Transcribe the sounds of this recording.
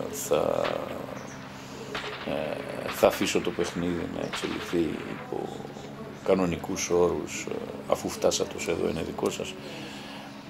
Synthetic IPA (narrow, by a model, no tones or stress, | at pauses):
θɐ̰ | θɐfiso̞t̪ope̞xniðḭnɐ̰e̞̰kselḭθiḭpo̞̰ | kɐno̞nikuso̞ɾusɐfuft̪ɐsɐt̪ose̞ðo̞̰ḭne̞ðiko̞sɐs